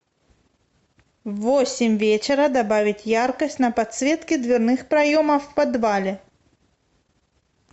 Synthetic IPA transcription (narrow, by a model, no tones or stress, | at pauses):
vɔsʲɪmʲvʲet͡ɕɪɾɐd̪abavʲɪtʲjarkɐsʲtʲnɐpat̪svʲɛt̪kʲid̪vʲɪrnɨxpɾɐjɔmɐfpad̪valʲɛ